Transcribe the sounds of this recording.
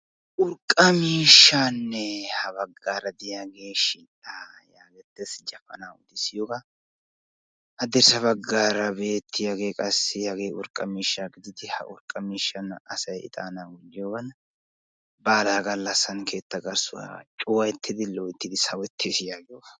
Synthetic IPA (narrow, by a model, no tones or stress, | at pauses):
ʔʊɾkʼːɐmiːʃːaːnːɛhɐbɐɡːaːɾɐd̪ɪjaːɡe̞ːʃiːʔajaːɡɛt̪ːɛsd͡ʒɐfɐ̰naːʊd̪ɪsɪjoːɡɐ | ʔɐd̪ɛɾsɐβɐɡːaːɾɐbe̞ːt̪ʰːɪjaːɡe̞ːkʼɐsːɪjaːɡe̞ːʔʊɾkʼːɐmiːʃːaɡɪd̪ɪt̪ɪhɐ̰ʔʊɾkʼːɐmiːʃːɐnɐ̰sɐjɪ̰t̪ʼa̰ːnaːwʊd͡ʒːɪjoːɡɐn | baːlaːɡɐlːɐsːɐnkʰe̞ːt̪ːɐɡɐɾsʊwa̰t͡ʃʼʊwɐjɛt̪ʰːɪd̪ɪlɔwɪt̪ːɪd̪ɪsɐwɛt̪ʰːeːsɪjaːɡɪjoɐ